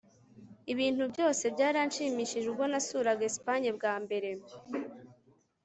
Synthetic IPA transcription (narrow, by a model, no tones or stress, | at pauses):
iβiːn̥hubɟo̞ːse̞bɟaːɾanʃiːmiʃiʒuɡo̞nasuːɾaɡespaɲeb̚ɡaːmbe̞ɾe̞